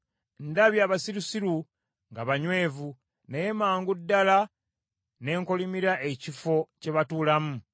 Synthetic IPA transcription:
ndaβjaβasiɾusiɾu | ŋɡaβaɲwe̞ːvu | nejemaːŋɡudːala | ne̞ːŋkolimiɾaʔe̞cifo̞ce̞βatuːlamu

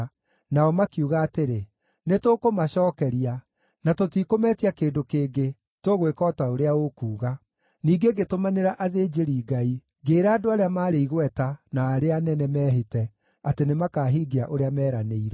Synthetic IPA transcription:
naɔmakiuɣaːteɾe | netokomaɕɔːkɛɾia | natotiːkomɛtiakeːndokeːɡe | toɣwekɔːtaoɾeaokuːɣa | niːɡeɡetomaneɾaʔaðeːd͡ʒeɾiːɡai | ɡeːɾaːdoaɾeamaːɾeiɣwɛtanaːɾeanɛnɛmɛːɦetɛ | atenemakaːɦiːɡiaʔoɾeamɛːɾaneiɾa

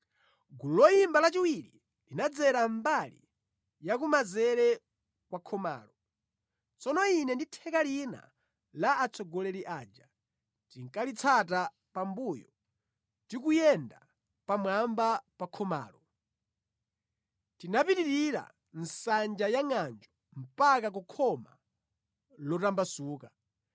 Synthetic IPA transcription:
ɡullɔimbalat͡ʃiwiɾḭ | linad͡zɛɾambalḭ | jak̬umazɛɾɛ | kwakʰɔma̰ːlɔ | t͡sɔnɔinɛnditʰɛkalina̰ | laat͡sʰɔɡɔlɛɾiʔaːd͡ʒa | tiŋkalit͡sʰata | pambujɔ̰ | tikujɛnda | pamwambapakʰɔma̰ːlɔ | tinapiɾiɾiɾa̰ | n̩sand͡ʒajaŋand͡ʒɔ | m̩pak̬ak̬ɔkʰɔma̰ | lɔtambasuːka

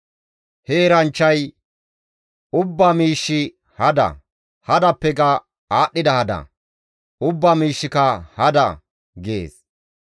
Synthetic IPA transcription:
heːɾɐnt͡ʃːɐj | ʊbːaːmiːʃːɪ | hɐd̪ɐ̰ | hɐd̪ɐpːɛɡɐ | aːʔːɪd̪ɐhɐd̪ɐ̰ | ʊbːaːmiːʃːɪkɐhɐd̪ɐ | ɡḛːs

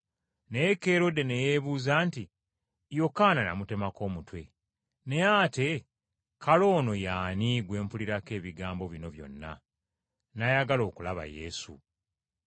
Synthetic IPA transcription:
nejeke̞ːɾo̞de̞nejeβuːzaːnti | jokaːnana̰mute̞mako̞ːmutwe̞ | ne̞jaːte̞ | kʰalo̞ːno̞jaːniɡwe̞ːmpuliɾake̞ːβiɡaːmbo̞βino̞βjo̞̰nːa̰ | najaɡalo̞ːkulaβa̰je̞ːsṵ

